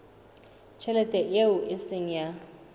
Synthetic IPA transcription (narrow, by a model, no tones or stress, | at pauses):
t͡ʃʰɛlɛtʼɛjeʊʔɪsɪŋ̩ja